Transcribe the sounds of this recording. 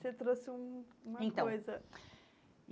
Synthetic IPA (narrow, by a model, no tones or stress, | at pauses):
set̪ɾosũũmɐẽtkɐ̃ojzɐ